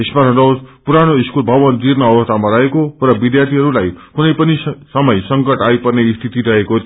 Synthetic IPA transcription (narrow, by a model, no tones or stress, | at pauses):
esmaɾʌndʌwspuɾaɽ̃oiskulbʱʌʋʌnd̪iɾmaːwʌst̪ʰamaɾʌɦekorʌbid̪jart̪ʰiɦʌɾulajkunʌjpʌnisʌmʌjsʌŋkʌʈajpʌrneist̪ʰit̪iɾʌɦeko